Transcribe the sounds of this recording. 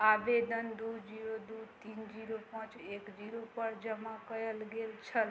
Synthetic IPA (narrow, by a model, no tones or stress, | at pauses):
aʋed̪ənd̪ud͡ʒiɾod̪ut̪ind͡ʒiɾopãt͡ʃekd͡ʒiɾopəɾd͡ʒəmakəjəlɡelt͡ʃʰəl